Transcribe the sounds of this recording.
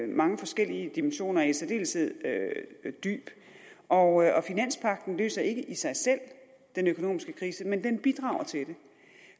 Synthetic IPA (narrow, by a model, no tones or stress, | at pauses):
mɑ̈ŋəfɒ̽sɡ̥el̰iəd̥imenɕo̝̰ːnɐesɐd̥e̝̰ːlsʰeð̰ˠød̥y̰ːb̥ | ʔɒ̽ʔɒ̽finæn̰spʰɑ̈ɡ̥̚d̥n̩lø̰ːsɐe̝ɡ̥əʔisɑ̈ɪsel̰ | d̥enøkʰo̝no̝̰ːmisɡ̥əkʰʁiːsəmend̥enb̥id̥ʁɑ̈ːʊ̰ɐt͡sʰe̝de̝